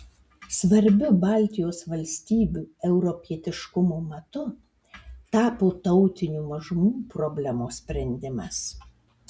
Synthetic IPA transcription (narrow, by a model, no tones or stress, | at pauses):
sʋɐɾʲbʲʊbɑˑlʲt̪ʲɪjoːsʋɐlʲsʲt̪ʲiːbʲuːɛʊɾɔpʲiɛt̪ʲɪʃkʊmoːmɐt̪ʊ | t̪ɑːpoːt̪ɐʊt̪ʲɪnʲuːmɐʒʊmuːpɾɔbʲlʲɛmoːsʲpʲɾʲɛnʲd̪ʲɪmɐs